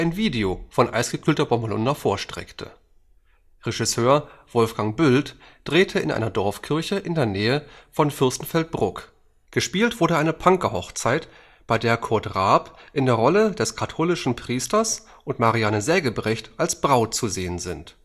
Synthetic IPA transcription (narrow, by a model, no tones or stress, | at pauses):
ʔaɪnviːdeofɔnʔa̰ɪsɡ̥əkʰyːltɐbɔmbəlʊ̰ndɐfoːɐʃtʁ̥ɛ̰ktʰə̰ | ʁeʒisøːɐv̥ɔlfɡ̥aŋbʏlt | d̥ʁeːtʰəɪ̰nʔa̰ɪnɐdɔɐfkʰɪɐçəʔɪndeːɐnɛːəfɔnfɪɐstn̩fɛlt̚b̥ʁʊk | ɡ̥əʃpiːltv̥ʊɐɾəʔaɪnəpʰaŋkɐhɔχt͡saɪt | b̥aɪdeːɐkʰɔɐtʁaːpʔɪndeːɐʁɔləd̥ɛskʰatʰoːlɪʃn̩pʁ̥iːstɐs | ʔʊntmaʁianəzɛːɡəbʁɛçtʔalsb̥ʁaʊt̚t͡suzeːənzɪnt